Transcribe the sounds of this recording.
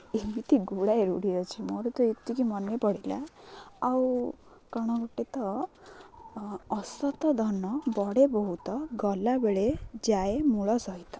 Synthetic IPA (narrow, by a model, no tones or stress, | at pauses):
emit̪ʰiɡuɽaeɾuɽiɾɔt͡ʃʰimɔɾut̪ɔet̪ːikimɔnepɔɽila̰ː | w | kɔɽ̃ɔɡɔʈːet̪ɔ | sɔt̪ɔd̪ʱɔnːɔbɔɽebɔɦut̪ɔɡɔlabeɭed͡ʒaemuɭɔsɔit̪ɔ̥